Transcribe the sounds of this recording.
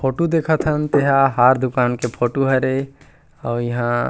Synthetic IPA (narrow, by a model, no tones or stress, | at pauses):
pʰoʈud̪ekʰət̪ʰɦənt̪eɦãɦaɾd̪ukankepʰoʈuɦəɾe | ɔːɾjiɦã